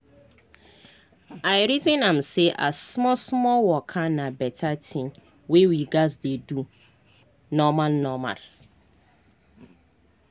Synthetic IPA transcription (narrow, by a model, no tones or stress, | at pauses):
ajɾitɪ̃nãm̩seʔasmɔsmɔlwɔkʰanãbɛtʰatʰɪ̃n | wewiɡasdedu | nɔmãlnɔmã̰ɾ